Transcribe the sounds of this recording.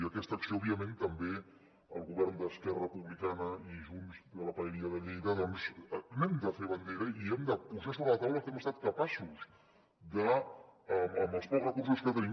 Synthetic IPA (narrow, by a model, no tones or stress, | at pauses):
iəkɛst̪əksioɔβjəmẽnt̪əmbe | əlˠɣuβɛɾnd̪əskɛrəpuβlikanəiʒunzðələpaɛβiəðəʎejðəðɔnznemd̪əfeɾβənd̪eɾəiɛmd̪əpuʒas̬oβɾələt̪awləkɛməst̪at̪̚kəpasuz | d̪əəəməlˠspɔkrəkuɾsuskət̪əni